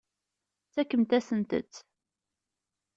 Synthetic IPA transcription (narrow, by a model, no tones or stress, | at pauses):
t͡sːækːəmt̪æsənt̪ə̰t͡sː